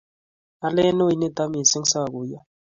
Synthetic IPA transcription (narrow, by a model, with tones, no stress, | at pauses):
a˦lɛ˦no˦i˨ne˦˨t̪a˦mi˨sɪ˦ŋsa˦˨ɡu˨ja˦